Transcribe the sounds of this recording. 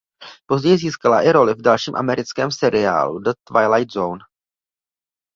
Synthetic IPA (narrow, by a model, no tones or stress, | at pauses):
po̞zɟɛjɪziːskalaʔɪɾo̞lɪvdalʃiːmʔa̰mɛɾɪt͡skɛːmsɛɾɪa̰ːlṵdət̪vajlajt̪zown